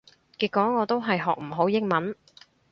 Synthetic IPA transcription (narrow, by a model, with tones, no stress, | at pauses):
kiː˧t̚kʷɔː˨˥ŋɔː˨˧t̪o˥wɦɐ˨jɦɔː˨k̚m̩˨˩ɦo˨˥wjɪ˥ŋ̚mɐ˨˥n